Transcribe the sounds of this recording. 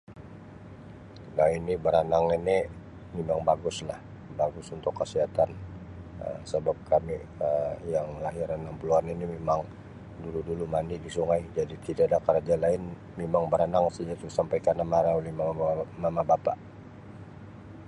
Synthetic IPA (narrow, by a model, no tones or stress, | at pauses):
nainibəɾanaŋinɛ | memaŋbaɡʊslah | baɡʊsunt̪ʊkːəsiɦat̪an | ə̰səbap̚kʰami | əjaŋlaɦɪɾanampəluaninimemaŋ | duludulumanidisuŋajd͡ʒadit̪idadakəɾad͡ʒalaɪn | memaŋbəɾanaŋsad͡ʒat̪usampajkanamaɾaolɛhmamamabapa